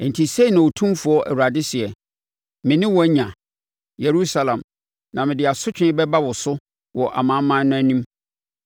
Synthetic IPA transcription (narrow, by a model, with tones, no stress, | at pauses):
n̩˨tʰi˨se˦i˨nã˨o˨tʰũ˦fʊ˨˦ɔ˦ʔæ̰˨wu˨ɾa˨dɪ˦sɪ˨ɛ˨ | mɪ̃˨nɪ̃˦wɔ˨˦ɲã˨ | je˨ɾu˦sa˨lã˨m | nã˨mɪ̃˨dɪ˨a˨sʊ˦t͡ɕᶣɪ̃˦ɪ˦bɛ˦ba˦wɔ˨sʊ˦ | wɔ˨ʔa̰˨mã˨˦mã˦nʊ̃˦æ˦nĩ˦m